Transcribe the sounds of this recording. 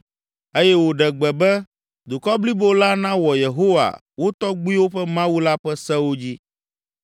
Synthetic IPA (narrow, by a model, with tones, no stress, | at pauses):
e˦jɛ˦wo˨ɖɛ˨ɡ͡bɛ˨bɛ˦ | d̪u˨kɔ˦bli˦bo˦la˦nã˦wɔ˨je˨ɦo˦wa̰˨ | wo˦t̪ɔ˦ɡ͡bu˦i˦wo˦ɸɛ˦mã˦wu˦la˦ɸɛ˦sɛ˦wo˦d͡ʑi˦